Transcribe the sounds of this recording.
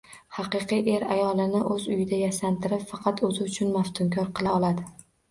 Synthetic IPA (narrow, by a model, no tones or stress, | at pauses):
hɑqɨqijʔe̞ɾajɒlˠɪnɪʔɵzʊjɪd̪ajasant̪ʰɪɾɪpfɑqʰɑt̪ʰɵzɪʊt͡ʃʰʊnmaft̪ʰʊmkʲʰɒɾqʰɨlˠaɒlˠad̪ɪ